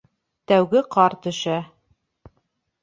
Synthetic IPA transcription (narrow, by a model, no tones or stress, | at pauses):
t̪æwɡɘqɑɾt̪ɵ̆ʃæ